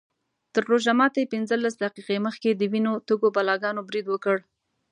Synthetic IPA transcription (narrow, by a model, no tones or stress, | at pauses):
t̪əɾːoʒamɑt̪ajepɪnzəlːasd̪aqiqeməxked̪əwinot̪əɡobɑlɑɡɑnobɾid̪wəkəɽ